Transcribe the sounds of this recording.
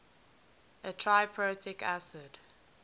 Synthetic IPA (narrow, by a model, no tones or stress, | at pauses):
ʔətʰɹaɪpʰɹotʰɪkʰæsəd̥